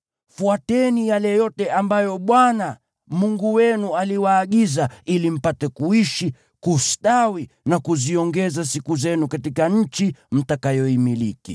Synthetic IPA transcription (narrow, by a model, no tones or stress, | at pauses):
fuatɛnijalɛjɔtɛambajɔɓwana | muŋɡuwɛnualiwaːɠizailim̩patɛkuiʃi | kustawi | nakuziɔŋɡɛzasikuzɛnukatikaɲ̩t͡ʃim̩takajɔimilikḭ